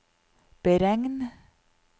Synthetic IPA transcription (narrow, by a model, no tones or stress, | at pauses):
b̥əɾɛŋn